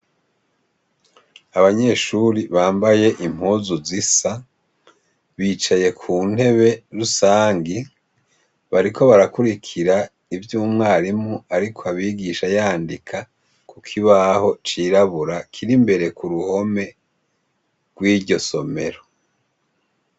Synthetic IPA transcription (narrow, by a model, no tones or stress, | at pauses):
aβaɲe̞ːʃuɾiβaːmbaje̞ʔim̥huːzuzisa | βiːt͡ʃaje̞kʰuːn̥e̞βe̞ɾusaːŋɡi | βaɾiko̞βaɾakuɾikʰiɾa | ivjuːmŋaːɾimuaɾikʰoaβiːɡiʃajaːndikʰa | kukʰiβaho̞t͡ʃiːɾaβuɾakʰiɾimbe̞ɾe̞kuɾuho̞me̞ | ɡ̥wiːɾɟo̞so̞me̞̰ɾo